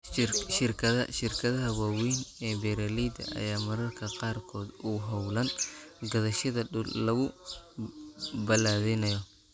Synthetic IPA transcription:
ʃɪrkʰɐðɐʃɪrkʰɐðɐɦɐwaːwiːnɛːbɛɾalijd̪ɐ̰ʔɐ̰jaːmɐɾɐrkʰɐqɑːrkʰɔːd̪uːɦɔwlɐnɡɐðɐʃɐðɐɗʊllɐɣʊ | bɐlaːðɛnɐjɔ

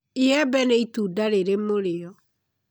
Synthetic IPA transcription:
eɛbɛnɛituːdaɾeɾemoɾeɔ

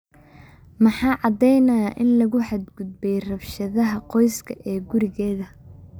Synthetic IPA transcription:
mɑħɑːʕɑd̪ɛjnɐjaʔɪnlɐɣʊħɑd̪ɡʊd̪̚bɛjrɐfʃɐðɐɦɐqɔjskʰɐ̰ʔɛːɡʊɾɪɣɛːðɐ

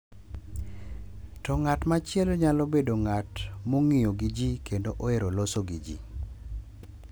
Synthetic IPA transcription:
tɔŋatmat͡ʃɪɛlɲalobedoŋatmoŋijoɡid͡ʒikendoʔoeɾolosoɡid͡ʒḭ

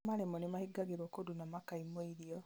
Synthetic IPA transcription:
maɾemɔnimahiɡaɣiɾwɔkodunamakaimoiɾiɔ

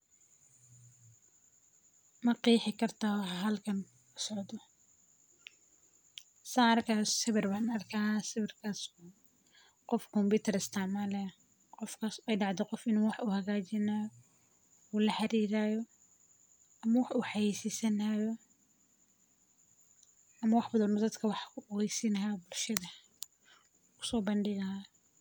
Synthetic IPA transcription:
mɐqiːħɪkʰɐrt̪ʰawɦɐlkʰɐn | ʊsɔʕd̪ɔ | saːrkʰassɪβɪrbaːnɐrkʰaːsɪβɪrkʰɐsʊ | qɔfkʰɔmpuːt̪ʰɛrɪst̪ʰamɐlɛ | qɔfkʰɐsɛjɖɑʕd̪ɛqɔfɪnwɑħuhɐɣaːt͡ʃɪnajɔ | uːlɐħɑɾiːɾaːjɔ | ʔɐmɐwɑħʊħɑjiːsisɐnajɔ | ɐmɐwɑħbɐðɐnɔd̪ɐd̪kʰɐwɑħkʰʊɔɣɛjsɪnɐɦabʊlʃɐðɐ | kʰʊ̥sɔːbɐnɖɪɣɐa

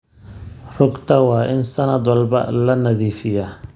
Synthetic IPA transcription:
rʊɡt̪ʰɐwɑːʔɪnsɐnɐd̪wɑlbɐ̰lɐnɐðiːfɪja

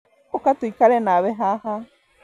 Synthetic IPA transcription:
okat̪uikaɾenaβeɦaha

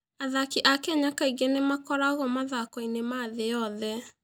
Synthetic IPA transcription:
aðakiʔakɛɲakaiɣenemakɔɾaɣɔmaðakɔinemaðejɔðɛ

